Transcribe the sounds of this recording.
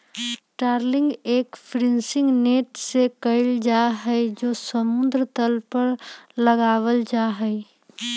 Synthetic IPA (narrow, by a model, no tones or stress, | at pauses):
ʈaːɾlɪ̃ŋɡeːkpʰɾɪ̃nsɪ̃ŋɡneːʈsekəɪld͡ʒaɦɛd͡ʒoːsəmʊ̃nd̪ɾət̪əlpəɾləɡaːʋəld͡ʒaɦɛi